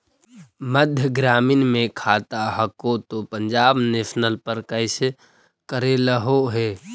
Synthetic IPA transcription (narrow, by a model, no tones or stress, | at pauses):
məd̪ʱjəɡɾaːmɪnmẽkʰaːt̪aɦəkot̪opəɲd͡ʒaːbnesnəlpəɾkəɪs | kəɾeləɦoɦeː